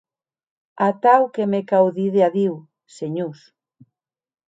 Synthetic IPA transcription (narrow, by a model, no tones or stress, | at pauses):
at̪awkemekawðiðeaðiw | seɲus